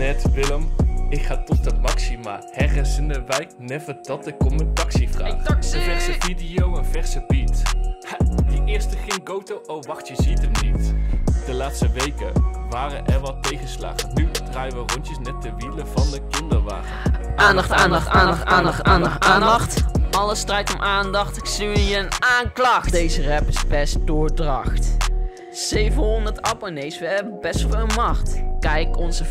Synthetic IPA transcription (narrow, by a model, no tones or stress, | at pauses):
nɛtʋɪləmɪkχaːtɔtət̚mɑksimaːhɛrəsəndəʋɛjknɛvədɑtɪkːɔmməntɑksivraːχəvɛrsəvidijowənvɛɹsəbit | diʔɪːɹstəχɪŋɡowtowʔowʋɑχtjəzitəmnitd̥əlaːtstəʋejkəʋaːrə̰nʔɛɹʋɑtejχəsla̰ːχənnydraːjəʋərɔntəsnɛt̚dəʋiləvɑndəkɪndəɹʋa̰ːχ | ʔaːndxtaːnxaːnaːnaːnaːndɑxtɑləstrɛjtɔmʔaːndɑxtɪksiʋəniːrənaːnklɑxdejzərɛpɪzbɛst̚dʊːɹdrɑxt | sejvənɦɔndəɹtɑponejsʋəɦɛbənbɛstfɪːlˠmɑχtkɛjkɔnzə